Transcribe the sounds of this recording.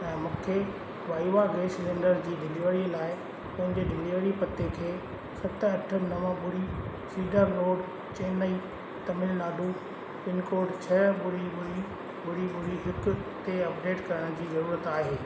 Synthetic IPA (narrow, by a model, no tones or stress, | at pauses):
ɛ̃ːmũːkʰe | ʋaːiʋaɡeːslẽːɳɖəɾd͡ʑiːɗɪliʋəɽilaːɪ | pɐ̃ɦɪ̃ɲd͡ʑeɗɪliʋəɽipɐt̪ekʰeː | sɐt̪ʰɐʈʰənɐʋə̃ɓʊɽisiːɖəɾloːɖ | t͡ɕeːnəi | t̪ɐmɪlnaːɗu | pɪnkoːɾɖt͡ɕʰɐbʊɽiɓʊɽi | bʊɽiɓʊɽiɦɪkʊt̪eɐp̚ɖeːʈkɐɾəɽ̃d͡ʑiːzɐɾuːɾət̪aːɦeː